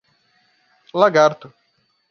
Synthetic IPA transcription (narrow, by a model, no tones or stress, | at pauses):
laɡaɾt̪ʊ